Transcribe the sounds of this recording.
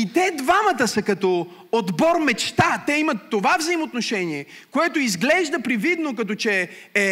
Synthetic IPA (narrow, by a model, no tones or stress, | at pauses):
it̪ɛd̪vamət̪əsɐkɐt̪ɔ | od̪bɔɾmɛt͡ʃt̪at̪ɛimɐt̪ːovavzɐimot̪noʃɛniɛ | koɛt̪oizɡlɛʒd̪əpɾɛvid̪nokɐt̪ɔt͡ʃɛ | ɛ